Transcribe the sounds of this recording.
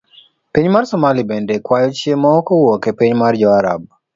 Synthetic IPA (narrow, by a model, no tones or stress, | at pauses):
piɲmarsɔmalibɛndekwajɔt͡ʃjemɔkɔwɔkepiɲmard͡ʒɔaɾa̰b̚